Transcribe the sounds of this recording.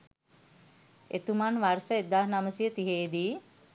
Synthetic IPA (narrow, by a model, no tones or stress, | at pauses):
ḛt̪umanʋarsəed̪aɦnaməsijət̪iɦeːd̪iː